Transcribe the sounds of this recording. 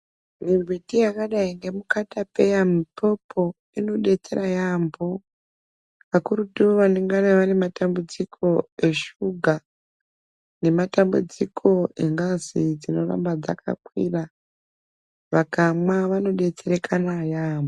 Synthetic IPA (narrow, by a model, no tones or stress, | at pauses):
mibʱwitijakaɗaiŋɡe̞mukatape̞jamipo̞pʰo̞ | ino̞ɗe̞t͡se̞ɾajambo | ʋakuɾutuʋaneŋɡaneʋanematambud͡zikʰo̞e̞ʃuɡʱa | ne̞matambṵd͡zikʰo̞eŋɡazid͡zino̞ra̰mbad͡za̰kʰa̰kwḭra | ʋakamwaʋano̞ɗe̞t͡seɾe̞kʰanajaːmbo